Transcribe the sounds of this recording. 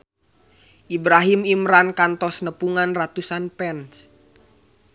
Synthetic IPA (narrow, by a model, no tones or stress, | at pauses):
ʔibɾaɦimimɾankant̪ɔsnəpuŋanrat̪usanpɛns